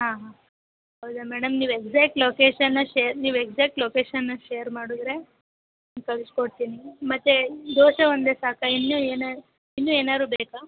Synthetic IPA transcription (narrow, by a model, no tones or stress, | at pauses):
ɦãːɦãː | ɦɐwd̪amɛːɽɐmniːʋekzaːk̚ʈloːkeːʃɐnːɐʃeɾniːʋekzaːk̚ʈloːkeːʃɐnːɐʃejɐɾmaːɽud̪ɾe̞ | ankɐɭiskoɽt̪iːnimɐt̪ːed̪oːʃɐond̪eːsaːkɐinːueːna | inːuːeːnaːd̪ɾuːbeːkaː